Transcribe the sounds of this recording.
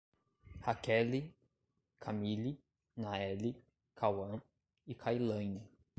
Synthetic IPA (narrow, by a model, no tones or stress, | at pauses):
hakɛli | kʰamili | naɛli | kʰawɐ̃ | ɪkʰajlɐ̃ɲɐ